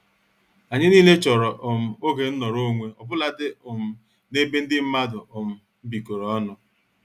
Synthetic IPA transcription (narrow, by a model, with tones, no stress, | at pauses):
a˨ɲɪ˦niː˦le˦t͡ʃɔ˨ɾɔ˨ʔʊ˨m̩˨o˦ɡe˨n̩˦nɔ˨ɾo˦ŋʷe˦ɔ˨bʊ˦la˨dɪ˦ʊ˨m̩˨ | ne˦be˦n̩˦dɪ˦m̩˦ma˦dʊ˨ʊ˨m̩˨ | m̩˦bi˨ko˨ɾɔ˨ɔ˦nʊ˨